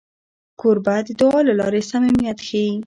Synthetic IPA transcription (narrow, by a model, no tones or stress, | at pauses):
koɾbad̪əd̪oɑlalɑɾesamemijat̪xei